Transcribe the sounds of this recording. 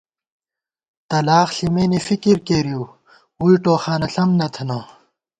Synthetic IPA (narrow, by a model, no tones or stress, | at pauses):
t̪ɐlaːxɬimeːnefikiɾkeːɾijuː | uiʈoːxaːnɐɬɐmnɐt̪ʰɐnaː